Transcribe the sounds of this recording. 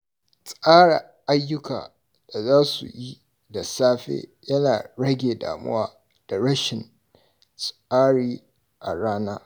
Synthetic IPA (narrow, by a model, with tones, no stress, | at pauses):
sʼaː˦ɽa˨ | ʔa˦jːʊ˦ka̰ː˨ | d̥a˨zaː˦sṵ˨ji˦ | da˨saː˦ɸḛː˦jɐ˦naː˨ɽɐ˦ɡʲeː˨da̰ː˨mʊ̰˦waː˦ | d̥a˨ɽɐ˦ʃɪ˨n | sʼ | aː˦ɽiː˦ | ʔa˨ɽaː˦naː˦